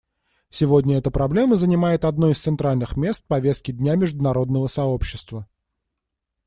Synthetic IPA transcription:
sʲɪvo̞dʲnʲəɛt̪əpɾɐblʲe̞məzənʲɪmajɪt̪ɐd̪noɪst̪sɨnt̪ɾalʲnɨxmʲe̞st̪̚pɐvʲe̞st̪̚kʲɪdʲnʲamʲɪʐd̪ʊnɐɾo̞d̪nəvəsɐo̞pɕːɪst̪və

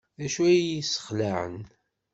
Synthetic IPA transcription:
ðæʃuæjjisə̥χlaʕə̰n

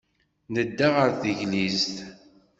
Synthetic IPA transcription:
nəd̪ːaʁəɾθəʝlizt̪

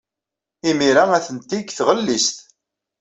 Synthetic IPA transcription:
imiɾaæθənt̪iɡθʁəlːist̪

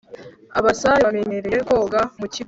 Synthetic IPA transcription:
aβasaeameneɾeko̞ɡamuci

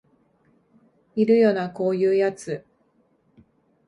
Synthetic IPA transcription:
iɾɯ̟jo̞ːnako̞ːjɯːjat͡sɨ

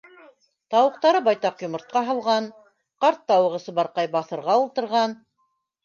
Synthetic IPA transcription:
t̪ɑwɤ̆q̚t̪ɑɾɤbɑjt̪ɑqjŏmɤ̆ɾt̪̚qɑɦɤ̆lˠʁɑn | qɑɾt̪ːɑwɤ̆ʁɤ̆sɤ̆bɑɾqɑjbɑθɤ̆ɾʁɑulˠt̪ɤ̆ɾʁɑn

